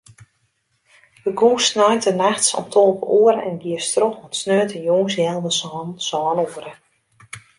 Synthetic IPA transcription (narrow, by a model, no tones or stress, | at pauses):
dəɡuːsnɔjtənaxtsɔ̰mtʰolˠpəʔoəɾəɛ̰nɡiəstroxɔtsnøːtəjoːŋsjɛlˠdəsɔːnsɔːnoːəɾə